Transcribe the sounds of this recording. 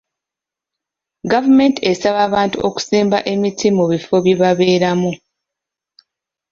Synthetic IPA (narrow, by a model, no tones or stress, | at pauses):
ɡavume̞ntie̞saβaːβaːntṵo̞ku̥siːmba̰ʔe̞mitʰimuβifo̞βjiβaβe̞ːɾamu